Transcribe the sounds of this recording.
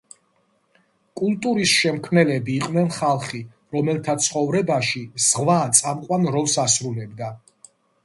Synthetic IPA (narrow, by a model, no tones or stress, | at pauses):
kʼult̪ʼuɾisʃɛmkʰmnɛlɛbiːqʼnɛnχalˠχi | ɾɔmɛlt̪ʰat̪sʰχɔvɾɛbaʃiz̥ʁvat̪sʼamqʼwanɾɔlˠsasɾulɛbd̪a